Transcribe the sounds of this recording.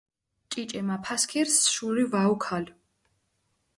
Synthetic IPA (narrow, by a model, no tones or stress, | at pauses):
t͡ʃʼit͡ʃʼɛmapʰaskʰiɾsʃulivaukʰal